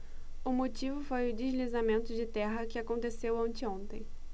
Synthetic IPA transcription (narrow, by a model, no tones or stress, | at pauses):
ʊmot͡ʃivʊfojʊd͡ʒizlizamẽnt̪ʊd͡ʒɪt̪ɛɦɐkɪakõnt̪esewõnt͡ʃɪõnt̪ẽj̃